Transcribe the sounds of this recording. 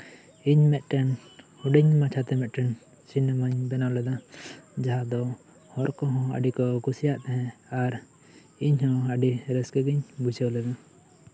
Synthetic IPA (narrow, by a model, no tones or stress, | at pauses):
iɲmɛt̪̚ˀʈɛn | huɖiɲmat͡ʃʰat̪ɛmɛt̪̚ʈɛn | sinəmaɲbɛnawlɛd̪ad͡ʒaɦad̪ɔ | hɔɾkɔɦɔ̃a̰ɖikɔkusijaʔt̪ɛɦɛ̃aɾ | iɲhɔ̃aɖiɾɛskəɡiɲbud͡ʒəwlɛd̪a